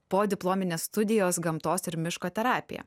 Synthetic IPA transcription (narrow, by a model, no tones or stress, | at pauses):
poːd̪ʲɪplˠoːmʲɪnʲeːsst̪ʊd̪ʲɪjoːsɡɐmt̪oːsɪɾmʲɪʃkoːt̪ʲɛɾɑːpʲɪjɛ̰